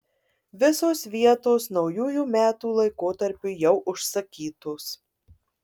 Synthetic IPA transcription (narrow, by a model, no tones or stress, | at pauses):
ʋʲɪsoːsʋʲiɛt̪oːsnɒʊjuːjuːmʲæːt̪uːlˠɐɪkoːt̪ɐɾʲpʲʊjɛʊʔʊʃsɐkʲiːt̪oːs